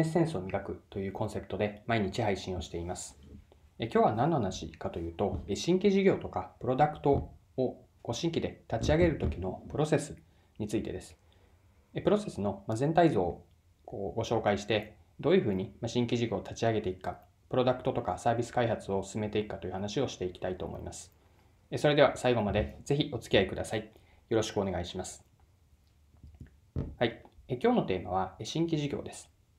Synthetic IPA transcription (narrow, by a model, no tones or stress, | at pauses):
essẽsɨomʲiɡakɯ̟t̪o̞jɯ̟ːkõ̞ɰ̃se̞pɯ̟t̪o̞d̪e̞maiɲ̟it͡ɕihaiɕĩɰ̃o̞ɕi̥t̪e̞imasɨ̥ | ekʲo̞ːβanãnːo̞hanaɕḭkat̪o̞jɯ̟ːt̪o̞eɕĩŋkʲiʑiɡʲo̞ːt̪o̞kapɯ̟ɾo̞d̪akɯ̟̥t̪o̞ː | ɡo̞ɕĩŋkʲid̪e̞t̪at͡ɕiaɡe̞ɾɯ̟t̪o̞kʲino̞pɯ̟ɾo̞se̞sɨ̥ | ɲ̟it͡sɨit̪e̞̰d̪e̞sɨ̥ | epɯ̟ɾo̞se̞sɨno̞mazent̪aizo̞ː | koːɡo̞ɕo̞ːkaiɕi̥t̪e̞ | d̪o̞ːjɯ̟ɸɯ̟ːɲ̟imaɕĩŋkʲiʑiɡʲo̞ːt̪ʰat͡ɕiaɡe̞t̪e̞ikɯ̥kːa | pɯ̟ɾo̞d̪akɯ̟̥t̪o̞t̪o̞kasaːbʲisɨ̥kaiɦat͡sɨo̞sɨ̥sɨme̞t̪e̞ikɯkːat̪o̞ji̟hanaɕio̞ɕi̥t̪e̞ikʲi̥t̪ait̪o̞̰ːmʔo̰ḭmasɨ̥ | eso̞ɾe̞d̪e̞βasaiɡo̞mad̪e̞z̥e̞çiʔo̞t͡sɨ̥iaikɯ̟d̪asai | jo̞ɾo̞ɕi̥kɯo̞ne̞ɡaiɕimasɨ̥ | haiekʲo̞ːno̞t̪e̞ːmaβ̞aeɕĩŋkʲiʑiɡʲo̞̰ːd̪e̞sɨ̥